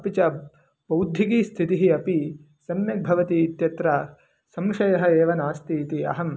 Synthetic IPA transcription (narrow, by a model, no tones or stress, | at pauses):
ɐpit͡ʃɐ | b̥ɐwd̪ʱjikiːst̪ʰit̪iɦiɐpi | sɐmjɐk̚bʱɐʋɐt̪iːt̪jɐt̪ɾɐ | sɐmʂɐjɐɦɐ̆eːʋɐnaːst̪iːt̪iɐ̰ɦɐm